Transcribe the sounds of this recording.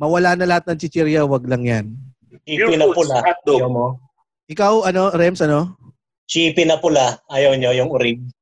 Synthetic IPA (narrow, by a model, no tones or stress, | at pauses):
mɐwɐlanɐlɐhat̪̚nɐŋt͡ʃɪt͡ʃɛɾjɐwɐɡ̚lɐŋjan | t͡ʃiːɪnɐpʊlad̪mo | ʔɪkawʔɐno̞ɾɛmsɐno̞ | t͡ʃiːpɪnɐpʊlaʔajɐwɲojʊŋʊɾib̚